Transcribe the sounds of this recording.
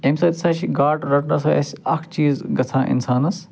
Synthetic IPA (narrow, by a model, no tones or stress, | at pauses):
emsɐːt̪isaːʃʰiɡaːʈɾɐʈnɐsɐɐ̰sɐkʰt͡ʃiːzɡɐt͡sʰãːʔḭnsaːnɐs